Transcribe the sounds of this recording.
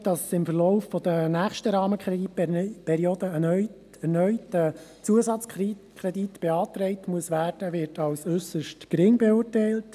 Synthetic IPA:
d̥ɑssɪmfəlɔʊffɔd̪ənæːχʃtəɾɑːməkɛipʰɛɾiod̪əənœʏ | ɛɾnœʏtət͡suəsɑt͡skikʰɾɛditb̥eɑːtɾɛɪtmuəsʋæːɾd̥əvɪɾtɑwsʏsəʃtkɾɪŋbɛʊːrtɛɪlt

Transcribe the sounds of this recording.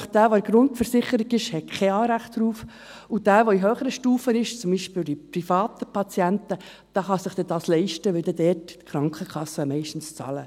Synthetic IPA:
χd̥æːʋoæɾɡɾʊntfəɾsɪχəɾiɡɪʃhɛt̚kʰɛɑːɾæχtɾuːf | ud̥æːʋoiɦøːχəɾəʃtuːfənɪʃt͡sʊmbiːʃpɪːld̥̪ipɾifɑːt̪əpɑt͡sjæntə | d̥ɑːχɑsɪχd̥ɛd̥ɑːslɛɪʃtəʋɛld̥̪ɛdɛːtːkχɾɑŋkʰəkʰɑsːəmɛɪʃtn̩st͡sɑ̰lə

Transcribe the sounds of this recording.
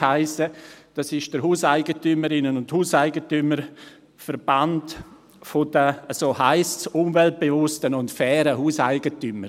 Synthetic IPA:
haɪsəd̥ɑsɪʃd̥əɾɦuːsaɪɡətyməɾɪnənʊnthuːsaɪɡətyməɾ | fəɾb̥ant | fɔdəsohaɪstsʊmvɛlt̚b̥evʊstənʊntfɛːɾəhuːsaɪɡətyməɾ

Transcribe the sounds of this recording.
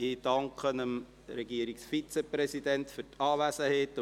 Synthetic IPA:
ɪd̥ɑŋkχənəm | ɾɛɡiəɾiksfit͡seprɛsid̥ɛntfʏtɑːvæsəhet

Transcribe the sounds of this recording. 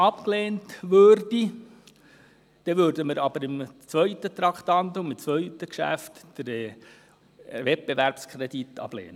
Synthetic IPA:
ɑpkleːntʋøːɾd̥i | d̪̥ɛʋøːɾdəməɾɑb̥əɾɪmt͡sʋœʏtət̪ɾɑkt̪ɑnt̪ʊmɪt͡sʋœʏtəkʃæ̰ftd̥əɾɛ | ʋɛt̚b̥eʋæɾpskʰɾeditʰɑ̰b̥lḛːnə

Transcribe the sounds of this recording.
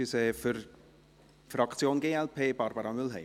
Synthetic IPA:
ysɛːfəɾ | fɾɑkt͡sjoːnɡeːɛlpʰeːbɑɾbəɾɑmʏlɦɛ̰ɪ

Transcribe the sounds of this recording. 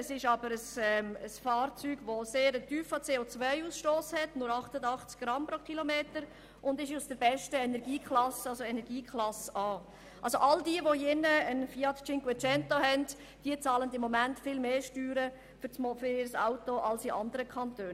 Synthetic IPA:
əsɪʃɑbəɾəsɛməsfɑːɾt͡syːɡ̥ʋoseːɾətyːfɑt͡seːot͡sʋœɪuːsʃtoːshɛtnʊɾɑχtədɑχt͡skɡ̥ɾɑmpɾokχilomeːtəɾ | ʔʊndɪʃusd̥əɾbɛʃtəɛnɛɾɡ̥iːkχlɑsəɑlsoɛnɛɾɡ̥iːkʰlɑsɑː | ʔɑlsoʔɑldiəʋojɪnːəənfiɑtt͡ʃɪŋɡwɛt͡ʃɛntohɛnd | d̥iət͡sɑːləndɪmːɔmæntfɪlmeːʃtyːɾə | fsmofʏɪɾsaʊtoʔɑlsiʔɑ̰ndəɾəkʰɑntøːn

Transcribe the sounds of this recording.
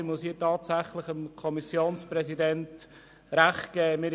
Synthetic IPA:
mʊshiːtɑːtsæχlɪχəmkʰɔmisjoːnspɾɛzidɛnt | ɾæχt̚ɡ̥ɛːmɪɾ

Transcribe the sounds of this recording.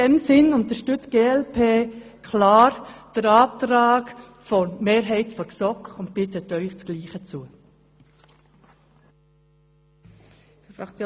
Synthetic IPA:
ɛmsɪnʊntəɾʃtʏt͡sɡ̥eːɛlpʰeːkʰlaːɾd̥əɾaːtɾaːɡ | fɔmeːɾɦɛɪtfɔɾsɔkʊnt̚pɪtətːœʏχt͡sɡ̥liːχət͡suə | əfɾɑkt͡sjo

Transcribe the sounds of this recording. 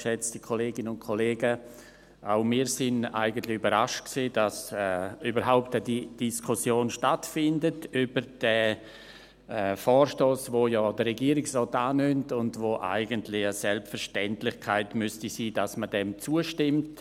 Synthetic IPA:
ʃɛt͡stikʰoleːɡɪnəʊnkʰoleːɡə | ʔaʊmiːsɪna̰ɪɡən̩tlɪybəɾaʃtksiːdasɛybəɾɦaʊptədid̥iskʰʊsjoːnʃtatfɪndətybəɾd̥ɛ | ɛfɔːɾʃtoːsvojɔːd̥ərɛɡiːəɾɪksrɔːtaːnʏmtʊndvoʔa̰ɪɡəntlɪəsɛlpfəɾʃtɛntlɪçkʰaɪtmʏstisiːdasmədɛmt͡suəʃtɪmt

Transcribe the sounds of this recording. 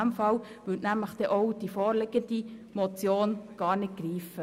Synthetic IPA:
mfɑl | ʋʏtnæmləχd̥̪ɛʔɔwd̥ifoːɾlɪɡ̥ənd̥imɔt͡sjoːnɡ̥ɑːɾnɪt̚ɡ̥ɾiːfə

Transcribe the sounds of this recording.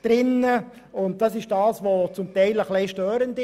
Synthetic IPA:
d̥ɾɪnːə | ʊnt̚d̥ɑsɪʃd̥ɑːsʋot͡sʊmtɛɪləχleɪʃtøːɾəndɪ

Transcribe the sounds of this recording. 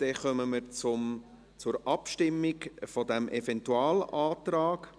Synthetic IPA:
d̥ɛχœməməɾt͡sʊm | t͡sʊɾʔɑpʃtɪmːɪɡfɔdæmʔɛfɛntuɑːlaːtɾɑːɡ̥

